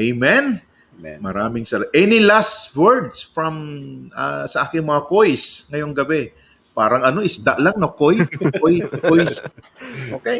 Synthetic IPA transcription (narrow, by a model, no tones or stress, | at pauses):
ʔɐjmɛn | mɐɾaːmɪŋsɐɾaʔɛnɪlastwɛɹd̪sfɹɐmʔɐsɐʔaːkɪŋmɐŋɐkojsŋɐjo̞ŋɡɐbɛ | paːɾɐŋɐno̞ʔɪsd̪aʔlaŋnɐkojkojkojs | ʔoːkej